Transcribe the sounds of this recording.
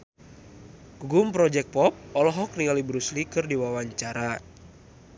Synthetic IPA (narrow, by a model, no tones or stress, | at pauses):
ɡ̥uɡumpɾɔd͡ʒɛk̚pɔp̚ɔlɔɦɔk̚rialibɾuslikɨrdiwawaɲt͡ʃaɾa